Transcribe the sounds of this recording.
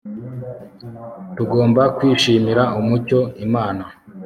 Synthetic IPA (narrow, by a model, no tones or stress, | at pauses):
tuɡo̞ːmbakwiːʃiːmiɾaumuco̞imaːna